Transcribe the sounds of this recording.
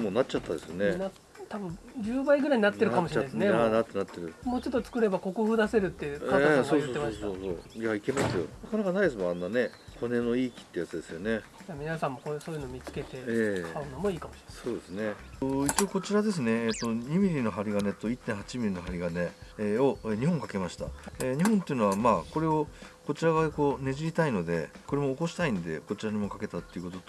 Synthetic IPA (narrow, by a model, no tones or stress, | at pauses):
moːnat͡ɕt͡ɕat̪ːad̪e̞sɨjonena | t̪abɯ̟̃ | d͡ʑɨːbaiɡɯ̟ɾaiɲ̟inat̪ːeɾɯ̟kamoɕiɾesneaat̪ːenat̪ːe̞ɾɯ̟moːt͡ɕo̞t̪ːot͡sɨ̥kɯ̟ɾe̞bako̞kɯ̟ɸɯd̪ase̞ɾɯ̟t̪ːe̞jɯkaaaŋɡɡoːotːemaɕitsoːsoːjaike̞masɨjo̰nakanakanaid̪es̬ɨmoanːane̞kʰo̞ne̞no̞iːkʲi̥t̪ːeːjat͡sɨd̪e̞sɨjo̞ne̞jamʲinasãmːo̞koːso̞ːjɯ̟noːmʲit͡sɨ̥ke̞t̪e̞eaɯnomoiːkamoɕiɾsoːd̪e̞sɨne̞it͡ɕio̞ko̞t͡ɕiɾad̪e̞s̬ɨne̞ːt̪ːo̞ɲ̟imʲiɾʲino̞ɦaɾʲiɡane̞t̪o̞it̪ːẽ̞ɰ̃ɦat͡ɕimʲiɾʲino̞ɦaɾʲiɡane̞o̞eɲ̟iɦõ̞ŋkake̞maɕi̥t̪a̰eɲ̟iɦõnt̪e̞iɯ̟no̞βamaːko̞ɾe̞o̞ko̞t͡ɕiɾaɡako̞ne̞ʑiɾʲit̪aino̞d̪e̞̰ko̞ɾe̞mo̞ːko̞ɕi̥t̪aĩnd̪e̞ko̞t͡ɕiɾaɲ̟imo̞kake̞t̪at̪ːe̞iɯ̟kot̪ot̪